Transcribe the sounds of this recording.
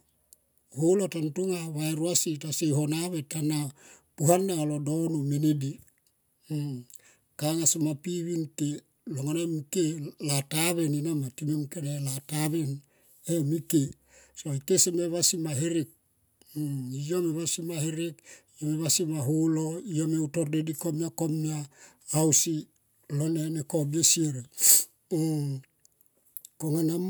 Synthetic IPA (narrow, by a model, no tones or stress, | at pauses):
holotantuŋaβaeɾuasitasejɦonaβetanapuɦanːalodonomenedi | kaŋasemapiβinke | loŋanamikelataβe̞ninamatinemkenelataβen | emike | so̞ikeseme̞βasimaɦeɾik̚ | ijomeβasimaheɾik | emeβasimaɦuloijameutoɾdedikomiakomiaː | wsi | loneneko̞biesieɾe | koŋanam